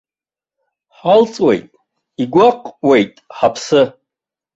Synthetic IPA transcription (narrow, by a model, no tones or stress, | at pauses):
ħalt͡sʼwe̞̰jtʼ | iɡʷaqʼwe̞jtʼħapʰsɨ